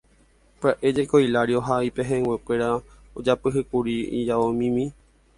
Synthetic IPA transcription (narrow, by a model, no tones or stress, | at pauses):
pɨaʔe̞d͡ʒekojlaɾio̞ɦaipeɦẽwekʷe̞ɾa | od͡ʒapɨɦɨkuɾiḭd͡ʒaomĩmĩ